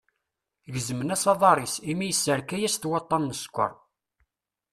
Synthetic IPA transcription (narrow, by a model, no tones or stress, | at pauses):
ʝəzəmənæsɑðˤɑɾˤisimijəsːəɾkæjæst̪wɑt̪ˤːɑnːəskʷːə̰ɾˤ